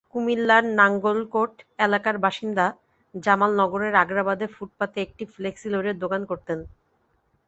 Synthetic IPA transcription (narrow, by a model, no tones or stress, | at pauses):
kumilːaɾnaŋɡolkoʈelakaɾbaʃind̪a | d͡ʑamalnɔɡoɾeɾaɡɾabad̪efuʈ̚pat̪eek̚ʈifleksiloɾed̪okankoɾt̪en